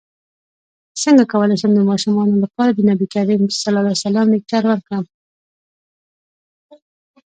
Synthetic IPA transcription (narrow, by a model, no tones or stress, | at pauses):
səŋɡakawəlajsəmd̪əmɑʃɪmɑnolapɑɾad̪ənabikaɾimsalɑlasalɑmd̪ek̚t͡ʃaɾwəɾkɽəm